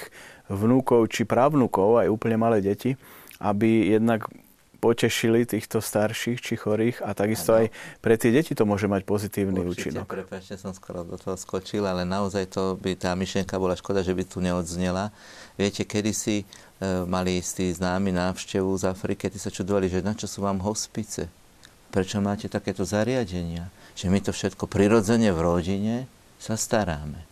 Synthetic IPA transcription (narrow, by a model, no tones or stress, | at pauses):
ʋnukɔʊt͡ʃipɾaʊnukɔʊajuːpəɲɛmalɛːɟɛciʔabijɛd̪nak | pɔcɛʃilit̪iːxt̪ɔst̪aɾʃiːxt͡ʃixɔɾiːxat̪aɡist̪ɔajpɾɛt̪ɪɛɟɛcit̪ɔmʊɔʒɛmacpɔzit̪iːʊniuːt͡ʃinɔkpɾɛpat͡ʃɲɛsɔmskɔɾɔd̪ɔt̪ɔɦɔskɔt͡ʃilalɛnaɔzajt̪ɔbit̪aːmiʃlɪɛŋkabɔlaʃkɔd̪aʒɛbit̪uɲɛɔd̪zɲɛla | ʋɪɛcɛkɛd̪isi | malist̪iːznaːminaːwʃcɛʋuzafɾikiat̪isat͡ʃud̪ɔʋaliʒɛnat͡ʃɔsuːʋaːmɦɔspit͡sɛ̰ | pɾɛt͡ʃɔmaːcɛt̪akɛːt̪ɔzaɾɪaɟɛɲɪaʒ̥ɛmit̪ɔfʃɛt̪kɔpɾiɾɔd͡zɛɲɛvɾɔɟiɲɛ | sast̪aɾaːmɛ